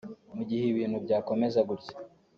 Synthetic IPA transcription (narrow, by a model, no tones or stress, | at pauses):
muɟiheβiːnhubɟaːko̞me̞zaɡuɾcḁ